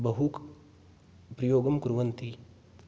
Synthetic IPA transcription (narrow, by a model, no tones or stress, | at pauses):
bɐɦuk | pɾɐjoːɡɐmkuɾʋɐnt̪i